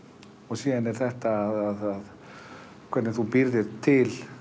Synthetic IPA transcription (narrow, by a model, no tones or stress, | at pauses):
ɔɣsiːðanɛɾ̥θɛht̪aːðaðað | kʰvɛt̪nɪθupɪɾðɪɾt̪ʰːɪl